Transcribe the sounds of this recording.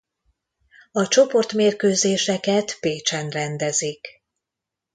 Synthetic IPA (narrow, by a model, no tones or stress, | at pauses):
ɒt͡ʃo̞po̞rt̪meːrkøːzeːʃɛkɛt̪peːt͡ʃɛnrɛnd̪ɛzik